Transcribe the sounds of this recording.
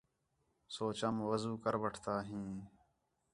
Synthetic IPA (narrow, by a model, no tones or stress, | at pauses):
soːt͡ʃəmʋəzuːkəɾʋəʈʰt̪aːɦĩː